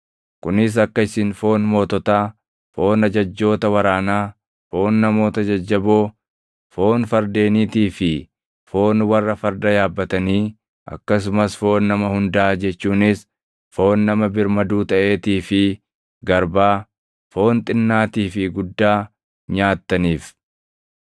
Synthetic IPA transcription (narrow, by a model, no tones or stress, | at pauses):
kʊnɪs̬ɐkːɐɪsɪnfo̞ːnmo̞ːt̪ɔt̪aː | fo̞ːnɐd͡ʒɐd͡ʒːo̞ːt̪ɐwɐɾaːnaː | fo̞ːnːɐmo̞ːt̪ɐd͡ʒɐd͡ʒːɐboː | fo̞ːnfɐɾd̪e̞ːniːt̪iːfɪ | fo̞ːnwɐrːɐfɐɾd̪ɐjaːbːɐt̪ɐniː | ʔɐ̰kːɐs̬ʊmɐsfo̞ːnːɐmɐhʊnd̪ɐʔaːd͡ʒɛt͡ʃːuːnɪs | fo̞ːnːɐmɐbɪɾmɐd̪uːt̪ɐʔe̞ːt̪iːfɪ | ɡɐɾbaː | fo̞ːnt̪ʼɪnːaːt̪iːfɪɡʊd̪ːaː | ɲaːt̪ːɐniːf